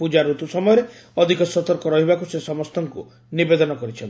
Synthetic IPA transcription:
pud͡ʒaɾut̪usɔmɔjɔɾeɔd̪ʱikɔsɔt̪ɔɾkɔɾɔɦibakusesɔmɔst̪ʰɔŋkṵ | nibed̪ɔnɔkɔɾit͡ʃʰɔn

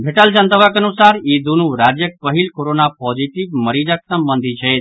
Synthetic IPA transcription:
bʱeʈəld͡ʒənt̪əʋakənusaːɾid̪unuɾad͡ʒjək̚pəɦilkoɾonapɔd͡ʒiʈiʋməɾid͡ʒaksəmbənd̪ʱit͡ʃʰɛt̪

